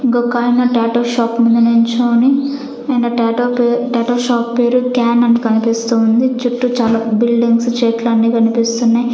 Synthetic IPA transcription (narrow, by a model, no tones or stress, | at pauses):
ɡokːaːjinɐʈaːʈoːʃaːpmund̪ɐneɲt͡ʃoːni | ɐjnɐʈoeʈaːʈoːʃaːpːe̞ːɾukaːnɐnːikɐnipist̪uːund̪it͡ʃuʈːut͡ʃaːlaːbilɖiŋɡst͡ʃɛːʈlaːnːiːkɐnipist̪unːaːj